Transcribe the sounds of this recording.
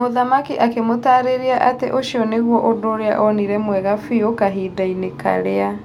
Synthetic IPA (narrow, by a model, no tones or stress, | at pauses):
oðamakiʔakemotaːɾeɾiaʔatḛʔoʃiɔneɣwɔʔodoɾea̰ʔɔniɾɛmwɛɣafiokaɦiːdaineka̰ɾea